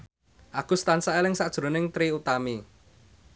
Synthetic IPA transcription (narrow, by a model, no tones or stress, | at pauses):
ʔakṳst̪ansaʔelɪŋsaʔd̥ʒ̥ɾo̤nɪŋt̪ɾiut̪ami